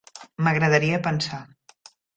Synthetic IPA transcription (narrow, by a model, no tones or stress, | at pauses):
məɣɾəðəɾiəpənsa